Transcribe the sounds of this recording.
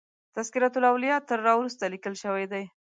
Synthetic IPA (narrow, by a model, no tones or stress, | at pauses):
t̪askɪɾɑt̪ʊlawlijɑt̪əɾːɑwɾust̪alikəlʃəwajd̪aj